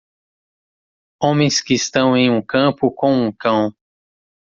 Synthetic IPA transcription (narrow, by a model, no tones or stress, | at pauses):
õmẽj̃skɪst̪ɐ̃w̃ẽj̃ũkɐ̃pʊkõũkɐ̃w̃